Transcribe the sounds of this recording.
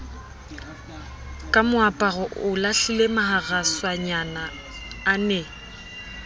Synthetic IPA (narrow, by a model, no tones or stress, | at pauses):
kʼamʊapʼaɣɔʔʊlaɬilemaɦaɣaswaɲanaː | nɛ